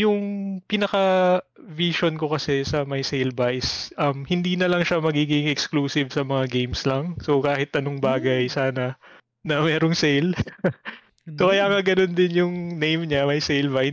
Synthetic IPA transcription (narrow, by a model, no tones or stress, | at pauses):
jʊŋpiːnɐkɐviʃonko̞kɐsɛsɐmɐjsejlbaʔsʔɐmhɪnd̪iːnɐlɐŋʃamɐɡiːɡɪŋɛkskluːsɪvsɐmɐŋaɡejmslɐŋso̞kaːhɪt̪ʔɐnoŋbaːɡɐjsaːnɐ | nɐmɛːɾoŋsejl | sokɐjaːŋɐɡɐno̞nd̪ɪnjʊŋnejmɲamɐjsejlbaj